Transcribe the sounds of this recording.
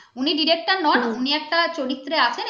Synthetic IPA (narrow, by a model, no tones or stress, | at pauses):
uniɖiɾek̚ʈaɾnɔnuniɛk̚ʈat͡ɕoɾit̪ːɾeat͡ɕʰen